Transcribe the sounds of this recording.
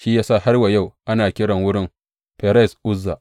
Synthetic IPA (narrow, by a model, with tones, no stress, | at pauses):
ʃi˦jaː˦sa˦˨ha˦rwa˨ja˦˨wʔa˦naː˨kʲɪ˦ɽɐ˨ŋwʊ˦ɽɪ˦m | pe˨ɾɛ˦˨sʔʊ˦zːa˨ʔ